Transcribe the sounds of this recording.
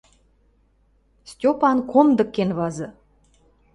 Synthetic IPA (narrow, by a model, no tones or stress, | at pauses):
stʲopɑnkʰomd̪ə̆kːenβɑzɤ̆